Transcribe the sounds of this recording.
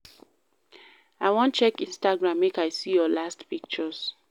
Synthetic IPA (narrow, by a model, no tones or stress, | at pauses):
aɪwɔ̃nt͡ʃɛkĩnstaɡɹãmwekaɪsijɔlastpik̚t͡ʃɔs